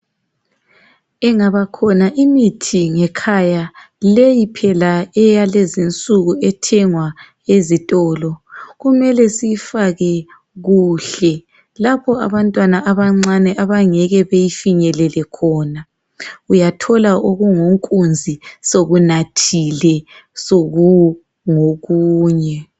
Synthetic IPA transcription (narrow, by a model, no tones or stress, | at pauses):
ɛŋaβakʰɔnaʔimitʰiŋɛkʰaja | lejipʰɛlaɛjalezint͡sʼuɣuɛtʰɛŋwa | ezitʼɔːlɔɣumɛlɛsijfaɣɛ | ɣuːɬɛ | lapʰɔa̰βantʼwanaʔaβaŋ͡ǀanɛʔaβaŋɛɣɛβejifiɲɛlɛlɛkʰɔna | ujatʰɔlaʔoɣuŋoŋkʼund͡zʱisoɣunatʰilɛ | soɣu | ŋoɣuːɲɛ